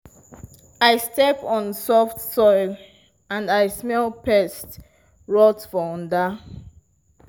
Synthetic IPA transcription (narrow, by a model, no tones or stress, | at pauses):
aɪstɛpɔ̃nsɔftsɔɪl | ãndaɪsmɛlpʰɛst | ɹɔtfɔɔ̃nda